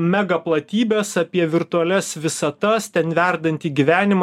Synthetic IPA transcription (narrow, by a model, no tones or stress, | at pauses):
mʲæɡɐplˠɐt̪ʲiːbʲeːsɐpʲiɛʋʲɪɾt̪ʊɐlʲɛsʋʲɪsɐt̪ɐst̪ʲɛnʋʲæɾd̪ɐnʲt̪ʲiːɡʲiʋʲæːnʲɪmɐ